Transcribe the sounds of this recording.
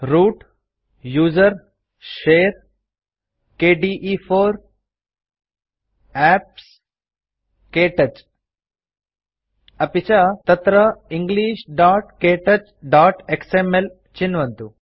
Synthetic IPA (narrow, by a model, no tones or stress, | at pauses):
ɾuːʈ | juːd͡ʒɐɾ | ʃeːɾ | keːɖiːʔiːpʰoːɾ | æːp̚s | keːʈɐt͡ʃ | ɐpit͡ʃat̪ɐt̪ɾɐiŋɡliːʃɖaːʈkeːʈɐt͡ʃɖaːʈeksemel | t͡ʃinʋɐnt̪u